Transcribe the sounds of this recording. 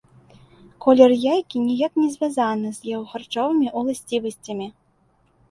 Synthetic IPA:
kʰɔlʲɛrjajkʲinʲijaknʲɛzʲvʲazanɨzjɛwxart͡ʂɔvɨmʲiʔulˠasʲt͡sʲivɐsʲt͡sʲɐmʲi

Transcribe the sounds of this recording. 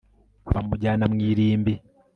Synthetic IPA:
βamuɟaːnamŋiːɾiːmbi

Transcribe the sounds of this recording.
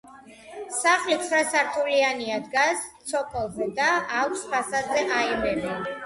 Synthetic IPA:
saχlit̪sʰχɾasaɾt̪ʰʼulianiad̪ɡast̪sʰɔkʰʼɛlˠzɛd̪aːkʰspʰasad̪zɛʔaimɛmɛ

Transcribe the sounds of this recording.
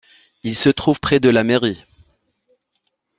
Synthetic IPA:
ilsət̪χuvpχɛd̪əlameʁi

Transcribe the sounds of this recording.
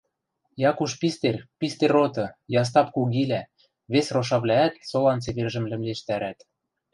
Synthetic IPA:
jɑkuʃpist̪erpist̪erot̪ɤ̆jɑs̬t̪ɑpkuɣilæ | βesroʃ̬ɑβlʲæːt̪solɑnt͡seβerʒɘ̆mlɘ̆mleʃt̪æɾæt̪

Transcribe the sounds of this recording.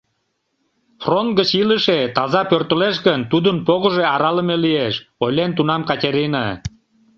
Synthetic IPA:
front̪̚ɡət͡ɕiləʃet̪ɑzɑpørt̪əleʃ̬ɣənt̪ud̪ənpoɣə̆ʒeɑɾɑləmelieʃojlent̪unɑmkɑtʲeɾinɑ

